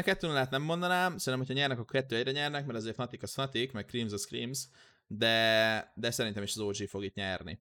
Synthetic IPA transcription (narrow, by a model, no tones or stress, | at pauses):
kɛt̪ːøːnolaːt̪nɛmːo̞nd̪ɒnaːmsɛnːmhocʰhɒɲɛrnɛkɒkːoːkɛt̪ːøːɛɟrɛɲɛrnɛkmɛɾɒzeːrt̪nɒt̪ikɒsnɒt̪ikmɛkkriːmzɒskriːmz | d̪ɛd̪ɛsɛɾint̪ɛmiʃɒzoːd͡ʒifo̞ɡiːt̪ɲɛrnḭ